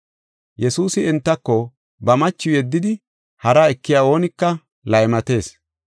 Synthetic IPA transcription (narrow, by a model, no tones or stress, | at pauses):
jɛsuːsɪɛnt̪ːɐkːɔ | bɐmɐt͡ʃːʊjɛd̪ːɪd̪ɪ | hɐɾaːɛkːɪjaːo̞ːnɪkːɐ | lɐjmɐt̪e̞ːs